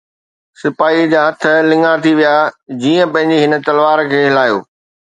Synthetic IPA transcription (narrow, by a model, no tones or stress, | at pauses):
sɪpaːid͡ʑaːɦɐt̪ʰə̆lɪ̃ŋɡat̪ʰiʋijad͡ʑiːə̃pɐ̃ɦɪ̃ɲd͡ʑeɦɪnə̆t̪ɐlʋaːɾkʰeːɦɪlaːjo̰ː